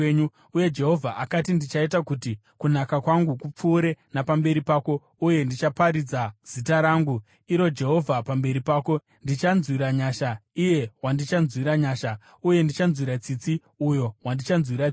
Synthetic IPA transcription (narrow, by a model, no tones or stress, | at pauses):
ɲu | uje̞d͡ʒe̞ɦo̞vʱaʔakatindit͡ʃaitakuti | kunakakwaŋɡukup͡fuːɾe̞napambe̞ɾipaːko̞ | uje̞ndit͡ʃapaɾid͡zaz̥itaɾaŋɡu | iɾo̞d͡ʒe̞ɦo̞vʱapambe̞ɾipaːko̞ | ndit͡ʃanzwiɾaɲaːʃaije̞wandit͡ʃanzwiɾaɲaːʃa | uje̞ndit͡ʃanzwiɾat͡sit͡si | ujo̞wandit͡ʃanzwiɾa